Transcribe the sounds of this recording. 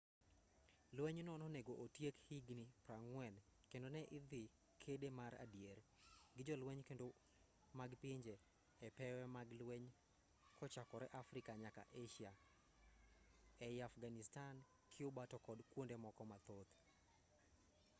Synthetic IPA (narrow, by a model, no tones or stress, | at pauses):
lwɛɲnɔnɔneɡoʔotjekhiɡnipɾaŋwɛnkendonɛʔɪd̪ɪ | kʰedemaɾa̰djeɾɡɪd͡ʒɔlwɛɲkendo | maɡpiɲd͡ʒeː | pɛwɛmaɡlweɲ | kʰɔt͡ʃakɔɾɛʔafɾɪkaɲaka̰ʔeʃia | ɛjafɡanɪstan | kʰɪʊbatɔkɔdkwondemɔkɔmat̪ot̪